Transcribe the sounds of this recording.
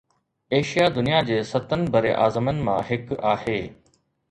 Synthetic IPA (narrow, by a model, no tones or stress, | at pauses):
eːʃijad̪ʊnijad͡ʑeːsɐt̪ənɪ̆bʱɐɾeʔaːzəmənɪ̆mã̰ɦɪkaːheː